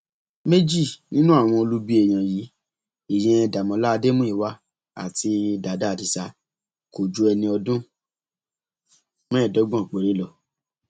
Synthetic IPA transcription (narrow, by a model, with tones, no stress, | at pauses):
me˦d͡ʒi˦˨nĩ˦nũ˦a˦˨w̃ɔ̃˧o˧lu˦bi˦ɛ˦˨j̃ã˨ji˨˦ | i˨jɛ̃˧ɛ˧da˨mɔ̃˨˧˦la˦˧de˦mũ˦i˦˨wa˧˦ | a̰˨ti˧da˨da˨˦˨di˧sa˧ | ko˨d͡ʒu˧˦ɛ˧nĩ˧ɔ˧dũ˦ | mɛ̃˦˨dɔ˨˦ɡ͡bɔ̃˦˨k͡pe˨ɾe˨˦lɔ˦˨